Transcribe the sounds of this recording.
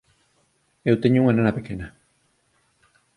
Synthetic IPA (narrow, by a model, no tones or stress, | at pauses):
ewt̪eɲuŋananapekena